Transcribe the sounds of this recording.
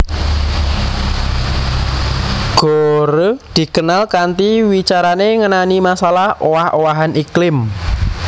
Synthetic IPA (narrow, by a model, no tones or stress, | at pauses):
ɡ̥oɾd̪̥i̤kənalkant̪iwit͡ʃaɾaneŋənanimasalahowahowaɦaniklɪm